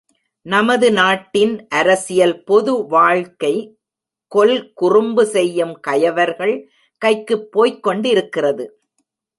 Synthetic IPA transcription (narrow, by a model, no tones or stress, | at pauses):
nɐmɐðɯnaːʈːɪnʔɐɾɐsɪjɐlpɔðɯʋaːɻkɐɪ | kɔlkʊrʊmbɯsɛjːɯmkɐjɐʋɐɾɣɐɭ | kɐɪkːɯpːoːjkːɔɳɖɪɾɯkːɪrɐðɯ